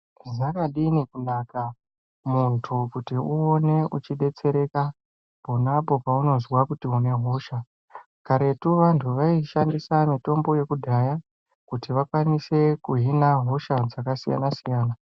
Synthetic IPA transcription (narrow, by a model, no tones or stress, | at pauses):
zakaɗinikunaka | muntʰukutiuone̞ut͡ʃiɗe̞t͡se̞ɾe̞ka | ponapo̞pauno̞zwakutiune̞ɦo̞ʃa | kaɾe̞tuʋantʰuʋaiʃandisamito̞mbo̞je̞kudʱaja | kutiʋakwanise̞kuɦinaɦo̞ʃad͡zakasija̰nasijaːna